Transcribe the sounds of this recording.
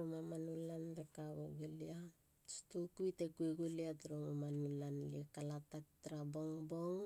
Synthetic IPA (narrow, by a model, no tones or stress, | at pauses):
omamanulandekaβoɡulia | stukujtekueɡuliatɾomamanulanliekalatak̚tɾaboŋboŋ